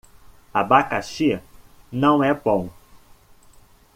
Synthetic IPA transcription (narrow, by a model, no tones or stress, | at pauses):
abakaʃiɐnɐ̃w̃ɛbõw̃